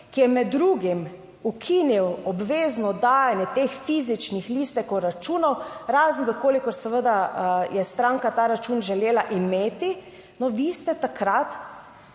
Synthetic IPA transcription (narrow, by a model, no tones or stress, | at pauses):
kijɛmɛd̪ːɾuːɡim | ukʰiːniwɔbʋeːznɔd̪aːjanjɛt̪eːxfiːzit͡ʃnixliːst̪ɛkɔɾat͡ʃuːnɔwɾaznʋəkoːlikɔɾsɛʋəd̪ajɛst̪ɾãŋkat̪aːɾat͡ʃuːnʒɛleːlaʔimeːt̪i | nɔʋiːst̪ɛt̪akɾat̪